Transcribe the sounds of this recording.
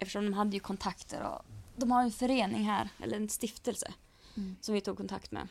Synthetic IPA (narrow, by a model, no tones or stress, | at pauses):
ɛft̪əʂɔmd̪ɔmɦad̪ːəjɵkʰɔnt̪ʰakt̪ʰə̰ɾɔ̰d̪ɔmhaɾjɛnfœɾeːnɪŋɦæɾʔɛ̰lːəɾɛnst̪ɪft̪əlsə̰ | sɔmvɪt̪ʰuːɡ̚kʰːɔnt̪ʰa̰kt̪mɛ̰